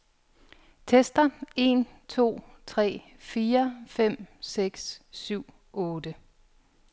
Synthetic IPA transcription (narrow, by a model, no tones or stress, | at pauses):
t͡sʰesd̥ɐe̝nt͡sʰo̝̰ːt͡sʰʁɛ̰ː | fiːɐfem̰seɡ̥ssyʊ̰ | ɔːd̥ə